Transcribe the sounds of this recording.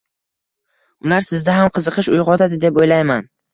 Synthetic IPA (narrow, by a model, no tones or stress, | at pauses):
ʊlaɾsɪzd̪aɦamqʰɨzɨqʰɨʃʊjʁɒt̪ʰad̪ɪd̪e̞pojlajman